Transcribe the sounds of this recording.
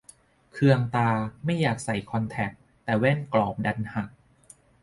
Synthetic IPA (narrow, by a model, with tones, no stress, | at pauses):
kʰɯ˧əŋt̪aː˧ma˥˩jːaː˨˩k̚sa˨˩˦jkʰɔ˧nt̪ʰɛ˨˩p̚ | t̪ɛː˨˩we˥˩nklɔː˨˩p̚da˧nha˨˩k̚